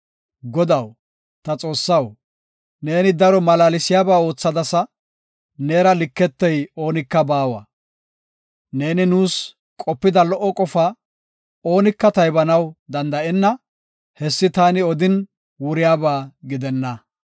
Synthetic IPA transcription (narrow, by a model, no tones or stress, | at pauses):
ɡɔd̪ɐw | t̪ɐt͡sʼo̞ːsːɐw | ne̞ːnɪd̪ɐɾɔmɐlaːlɪsɪjaːbaːo̞ːt͡sːɐd̪ɐsɐ | ne̞ːɾɐlɪkːɛt̪ːɛjo̞ːnɪkːɐbaːwɐ̰ | ne̞ːnɪnuːs | kʼɔpːɪd̪ɐlɔʔːɔkʼɔfa | oːnɪkːɐt̪ɐjbɐnɐwd̪ɐnd̪ɐʔɛnːɐ | hɛsːɪt̪aːnɪɔd̪ɪn | wʊɾɪjaːbaːɡɪd̪ɛnːɐ